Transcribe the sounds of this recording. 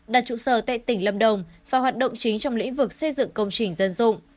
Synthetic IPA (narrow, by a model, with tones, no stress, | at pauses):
ɗaː˨˩t̚t͡ɕṵ˧˨səː˨˩t̪a̰ː˧˨jt̪ï˧˩ŋ̟lə˧mɗə˨˩wŋ͡mvaː˨˩hwaː˨˩t̚ɗə̰˧˨wŋ͡mt͡ɕï˨˦ŋt͡ɕɔ˧wŋ͡mlḭ̈˧˥ŋ̟vɨ˨˩k̚sə˧jzɨ̰˧˨ŋkə˧wŋ͡mt͡ɕï˨˩ŋ̟zə˧nzʊ̰˧˨ŋ͡m